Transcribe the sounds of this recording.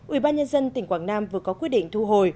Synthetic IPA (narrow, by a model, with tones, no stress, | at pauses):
ʔi˧˩ɓaː˧ɲə˧nzə˧nt̪ï˨˩ŋ̟kwaː˧˩ŋnaː˧mvɨ˨˩əkɔ˨˦kwi˧˥ətɗḭ˧˨ŋ̟t̪ʰu˧ɦo˨˩j